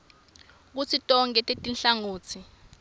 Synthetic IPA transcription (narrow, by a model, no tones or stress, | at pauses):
k̬ut͡sʰitʼɔŋkʼɛtʼetʼinɬaŋoːt͡sʰi